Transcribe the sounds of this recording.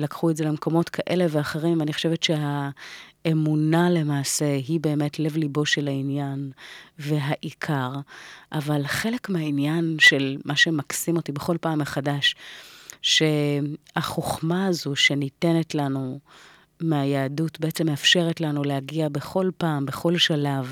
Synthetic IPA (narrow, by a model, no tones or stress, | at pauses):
lakχueze̞lemko̞mo̞tkʰaʔe̞le̞veaχeʁimaniχoʃe̞vetʃeɦa | emunale̞maːse̞ɦibe̞ːme̞tle̞vliboʃelainjanve̞ɦaʔikʰaʁʔavalχe̞le̞kmeainjanʃelmaʃe̞maksimo̞tibe̞χo̞lpaːmːeχadaʃ | ʃe̞haχoχmaazuʃenite̞netlanu | meajaːdutbe̞et͡se̞meafʃe̞ʁetlanulehaɡiabe̞χo̞lpaːmbe̞χo̞lʃalav